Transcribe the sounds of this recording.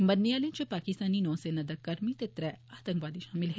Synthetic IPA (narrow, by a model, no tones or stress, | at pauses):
mɐnːijaːlẽt͡ʃɐpaːkɪst̪aːninɔ̃ːsenɐd̪ɐkɐɾmit̪et̪ɾɛaːt̪ə̃ŋkʋaːd̪iʃaːmɪlɦ